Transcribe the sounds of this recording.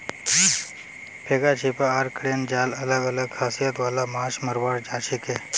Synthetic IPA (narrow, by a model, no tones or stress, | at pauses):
pʰeːɡat͡ʃʰipaaɾkɽeːnd͡ʒaːlələɡələɡ̚kʰaːsijət̪ʋaːlamaːʃməɾʋaːɾd͡ʒaːt͡ʃʰikeː